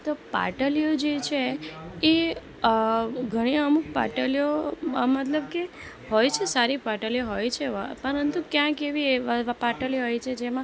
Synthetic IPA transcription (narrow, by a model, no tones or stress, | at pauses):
t̪opa̰ʈəlijod͡ʒet͡ʃʰeː | ɡʱəɽ̃iəmuk̚pa̰ʈəlijomət̪ləb̚ke | ɦojt͡ʃʰesaɾipaʈəljoɦojt͡ʃʰepəɾənt̪ukjãkeʋipaʈəlijoɦojt͡ʃʰed͡ʒemã